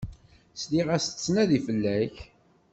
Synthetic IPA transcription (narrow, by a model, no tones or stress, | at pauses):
sliʁæst͡sːnæðifəlːæç